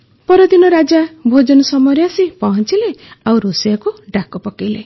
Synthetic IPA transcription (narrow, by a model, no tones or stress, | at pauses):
pɔɾɔd̪inɔɾad͡ʒabʱod͡ʒɔnɔsɔmɔɾjasipɔɦɔnt͡ʃileawɾusijakuɖakɔpɔkejle